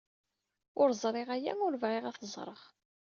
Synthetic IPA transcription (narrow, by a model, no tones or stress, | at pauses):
ʊɾzˤɾˤeʁæjæ̰ʊɾvʁeʁæθəzˤɾˤə̰ʁ